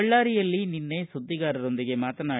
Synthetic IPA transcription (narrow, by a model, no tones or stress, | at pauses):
ɐɭːaːɾɪjɐlːinɪnːɐɪsʊd̪ːɪɣaːɾɐɾɔnd̪ɪɣemaːt̪ɐnaː